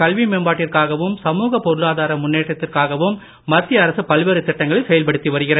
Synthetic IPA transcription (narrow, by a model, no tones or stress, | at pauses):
kɐlʋimeːmbaːʈːɪrkaːɣɐʋɯmsɐmuːɣɐpɔɾɯlaːðaːɾɐmʊnːeːʈːɐt̪ːɪrkaːɣɐʋɯmː | ɐt̪ːɪjɐɐɾɐsɯpɐlʋeːɾɯt̪ːɪʈːɐŋɡɐɭɐsɛjɐlpɐɽɯt̪ːiʋɐɾɯɣɪrɐ